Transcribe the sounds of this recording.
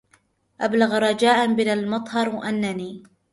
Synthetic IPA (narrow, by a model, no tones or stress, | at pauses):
ʔablaɣɾˤɑd͡ʒaːʔanbɪnalmɑt̪ˤhɑɾˤʔanːaniː